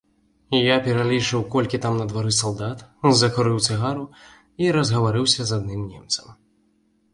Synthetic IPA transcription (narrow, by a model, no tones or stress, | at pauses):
japʲɛɾalʲit͡ʂɨwkɔlʲkʲit̪amnɐd̪vaɾɨsalˠd̪at̪zɐkuɾɨwt̪sɨɣaɾu | iɾɐzɣɐvaɾɨwsʲɐzad̪nɨmnʲɛ̰mt̪sɐ̥m